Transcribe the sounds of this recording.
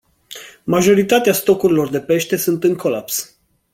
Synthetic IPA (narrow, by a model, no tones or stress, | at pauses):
maʒo̞ɾit̪at̪east̪o̞kuɾilo̞rd̪e̞pe̞ʃt̪e̞sunt̪ɨŋkʰo̞laps